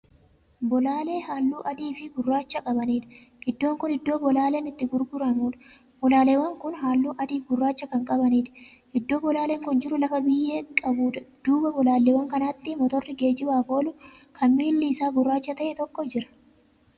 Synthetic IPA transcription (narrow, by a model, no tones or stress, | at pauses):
bɔlaːle̞ːhaːlːuːʔɐd̪iːfɪɡʊrːaːt͡ʃːɐkʼɐbɐniːᶑ̪ɐ̥ | ʔɪd̪ːo̞ːŋkʊnɪd̪ːo̞ːbɔlaːleːnɪt̪ːɪɡʊɾɡʊɾɐmuːᶑɐ̥ | bɔlaːleːwɐŋkʊnɦaːlːuːʔɐd̪iːfɡʊrːaːt͡ʃːɐkɐŋkʼɐbɐniːᶑ̪ɐ̥ | ʔɪd̪ːo̞ːbɔlaːleŋkʊnd͡ʒɪɾʊlɐfɐbɪjːeːkʼɐbuːᶑɐd̪̥uːbɐbɔlaːlːewɐŋkɐnaːt̪ːɪmɔt̪ɔrːɪɡe̞ːd͡ʒɪbaːfo̞ːlʊ | kʰɐmmiːlːiːsaːɡʊrːaːt͡ʃːɐt̪ɐʔɛt̪ɔkːɔd͡ʒɪɾɐ̥